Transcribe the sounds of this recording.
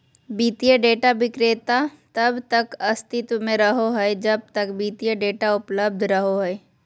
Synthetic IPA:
biːt̪ijeɖeːʈabɪkɾeːt̪at̪ɐbt̪ɐkɐst̪ɪt̪mẽɾɐɦoɦɐed͡ʒɐb̚t̪əkbiːt̪ijəɖeːʈaʊpləb̚d̪ʱɾɐɦoɦɔe

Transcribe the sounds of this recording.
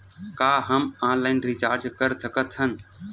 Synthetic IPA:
kaːɦəmãːnlaɪnɾit͡ʃaːɾd͡ʒkəɾsəkət̪ʰɦən̆

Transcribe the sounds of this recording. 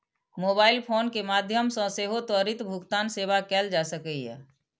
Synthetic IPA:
moːbaːɪlpʰoːnkemaːd̪ʱjəmsə̃seːɦot̪əɾit̪bʱʊkt̪aːnseːʋakɛːld͡ʒasəkəiɦɛ̰ː

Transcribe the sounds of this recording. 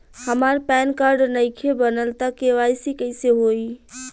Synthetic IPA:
həmaɾpɛnkaɾɖnəɪkʰebənəlt̪akeʋajsikəɪseɦoi

